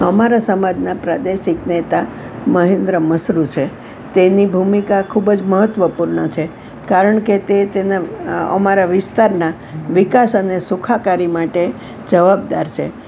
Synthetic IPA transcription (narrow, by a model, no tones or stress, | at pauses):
əmaɾasəmad͡ʒnapɾad̪eʃiknet̪a | məɦẽnd̪ɾəməsɾut͡ʃʰe | t̪enibʱumikakʰubd͡ʒməɦət̪ʋəpuɾɳət͡ʃʰe | kaɾəɳket̪et̪enaə̰maɾaʋɪst̪aɾna | ʋɪkasənesukʰakaɾimaʈe | d͡ʒəʋab̚d̪aɾt͡ʃʰe